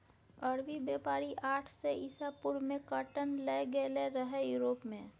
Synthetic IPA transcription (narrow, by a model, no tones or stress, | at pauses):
əɾʋibjeːpaːɾiʔaːʈʰseʔɪsapʊɾmẽkəʈənleɡeleɾəɦejuːɾoːpmẽ